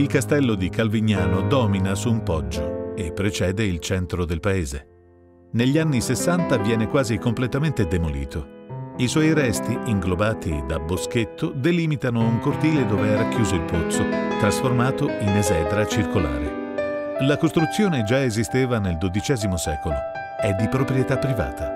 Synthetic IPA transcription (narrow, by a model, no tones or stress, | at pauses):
ilkast̪ɛlːod̪ikalviɲːaːnod̪ɔːminasuːmpɔd͡ʒːoepːɾet͡ʃɛːd̪eilt͡ʃɛnt̪ɾod̪elpaeːze | neʎːianːisesːant̪avjɛːnekwaːzikomplet̪ament̪ed̪emolḭːt̪ʰoiswɔjɾɛst̪iiŋɡlobaːt̪ḭd̪abosket̪ːod̪elimit̪anouŋkort̪iːled̪oːveɛɾakːjuːzoilpot̪sːot̪ɾasformaːt̪oinezɛːd̪ɾat͡ʃirkola̰ːɾḛ | lakost̪ɾut̪sːjoːned͡ʒaezist̪eːvaneld̪od̪it͡ʃɛːzimosɛːkolo | ɛd̪ːipɾopɾjet̪apːɾiva̰ːt̪ʰa